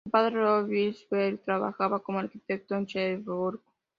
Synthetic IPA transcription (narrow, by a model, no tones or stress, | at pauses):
upaðɾeoβilsbelt̪ɾaβa̰xaβakomoaɾkit̪ek̚t̪oent͡ʃaβuɾk